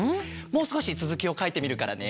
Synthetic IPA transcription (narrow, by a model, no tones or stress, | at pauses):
mo̞ːsɨ̥ko̞ɕit͡sɨzɨkʲio̞kait̪e̞mʲiɾɯ̟kaɾa̰ne̞